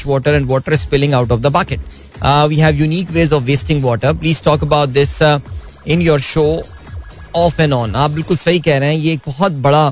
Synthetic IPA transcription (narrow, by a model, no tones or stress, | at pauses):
ʋɔːʈəɾɛ̃ɳɖʋɔːʈəɾɪspɪlɪ̃ŋaʊʈɔʋd̪əbakɪʈ̚ː | ʋiːɦɛʋjuniːkʋeːzɔʋːɪːsʈɪ̃ŋɡʋɔːʈəɾpliːz̥ʈɔːkəbaʊʈ̚d̪ɪs | ɪ̃njɔːɾʃoː | ɔːfɛ̃nɔ̃ːnaːp̚bɪlkʊlsɐɦikɛɦɾeɛ̃jeːk̚bɔɦɔt̪̚bɐɽa